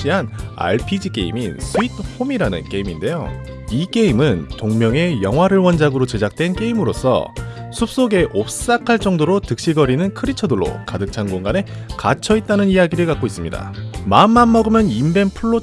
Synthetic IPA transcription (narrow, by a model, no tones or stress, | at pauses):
iɦana̰ɭpʰid͡ʑik͈e̞̰ḭminsʰuitʰɸʰomiɾanɯ̰nk͈e̞iminde̞jo | ik͈e̞imɯntoŋmjʌŋe̞jʌŋɦwaɾɯɭwʌnd͡ʑaɡɯɾot͡ɕe̞d͡ʑak̚t͈we̞nk͈e̞imɯɾos͈ʰʌ̰sʰup̚s͈oɡe̞ʔop̚s͈akʰaɭt͡ɕ͈ʌŋdoɾotɯk̚ɕ͈iɡʌɾinɯnkʰɯɾit͡ɕʰʌdɯɭːo̰kadɯk̚t͡ɕʰanɡoŋɡane̞kat͡ɕʰʌit̚t͈anɯnijaɡiɾɯɭkak͈ois͈ɯmɲida̰mamːanːʌɡɯmjʌnimbe̞npʰuɭːo